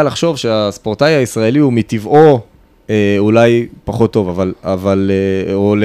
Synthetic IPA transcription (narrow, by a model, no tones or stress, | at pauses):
alaχʃo̞vʃeaspoʁt̪ajaisʁae̞liumitivo̞ | eulajpaχo̞t̪ːo̞vavalavaleole